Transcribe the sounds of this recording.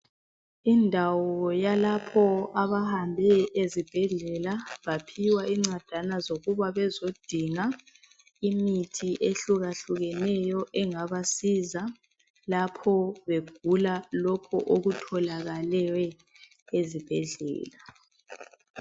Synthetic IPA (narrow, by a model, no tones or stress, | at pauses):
indʱawɔjalapʰɔaβahambʱɛezib̥ʱɛɮɛlaβapʰiwaʔiŋ͡ǀad̥ʱanazoɣuβaβɛzod̥ʱiŋa | imitʰiʔeɬuɣaɬuɣɛnɛjɔʔɛŋaβasiza | lapʰɔβeɡ̥̚ʱulalɔkʰɔ̰ʔoɣutʰɔlaɣalɛwɛ | ezib̥ʱɛɮɛ̰ːla